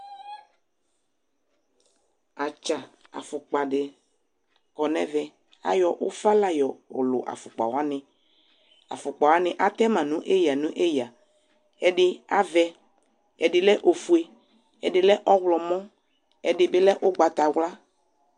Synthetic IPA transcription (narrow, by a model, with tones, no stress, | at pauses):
a˨t͡ʃa˨a̰˨fʊ˨k͡pa˨ɖɪ˨ | kɔ˨nɛ̰̃˦vɛ˨ | a̰˦jɔ˨ʔʊ˦fa˦la˦jɔ˨ʊ̰˨lʊ̰˨ʔa̰˨fʊ˨k͡pa̰˨wa˦nɪ̃˨ | a̰˨fʊ˨k͡pa˨wa˦nɪ̃˨ʔa˦t̪ɛ˦mã˨nũ˦ʔe˦ja˨nũ˦ʔe˦ja˨ | ɛ˨ɖɪ˨a˦vɛ˨ | ɛ˨dɪ˨lɛ˦ʔo˨fu˨e˨ | ɛ˨dɪ˨lɛ˦ʔɔ˦wlɔ˨mɔ̃˦ | ɛ˨dɪ˨bɪ˦lɛ˦ʔʊ˦ɡ͡ba˨t̪a˨wla˦